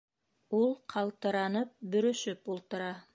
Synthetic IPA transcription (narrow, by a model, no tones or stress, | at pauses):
ulˠqʰɑlˠt̪ɤ̆ɾɑnɤp̚bɵ̆ɾɵ̆ʃɵpulˠt̪ɤ̆ɾɑ